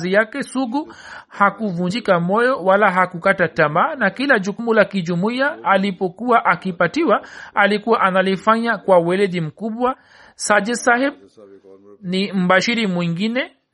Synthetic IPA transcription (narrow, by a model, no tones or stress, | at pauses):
zijakɛsuɡu | hakuvuɲd͡ʒikamɔjɔwalaɦakukatatamaːnakilaʄukumulakiʄumuiaːlipɔkuwaʔakipatiwaalikuwaʔanalifaɲakwawɛlɛʄim̩kuɓwa | sad͡ʒɛsahɛb̚ | nim̩baʃiɾimwiŋɡinɛ